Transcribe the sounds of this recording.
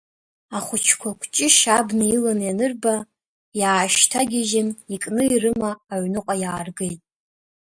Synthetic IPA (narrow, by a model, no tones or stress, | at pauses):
aχʷʊt͡ʃʰkʷʰakʷʰʼt͡ʃʼɪʃabnɨilanjanɨrba | jaːʃtʰaɡʲɪʒɪnikʼnɨirɨmaːɥnɨqʼajaːrɡejtʼ